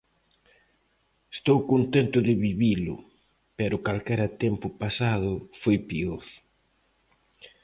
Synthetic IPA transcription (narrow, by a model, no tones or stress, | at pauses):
est̪owkont̪ɛnt̪ʊðɪβiβilʊ̰ | pɛɾʊkalkɛɾɐt̪ɛmpʊpasað̞ʊfojpioɾ